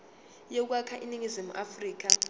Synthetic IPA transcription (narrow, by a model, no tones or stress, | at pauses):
jek̬wakʰaʔiniŋizimuʔafriːk̬a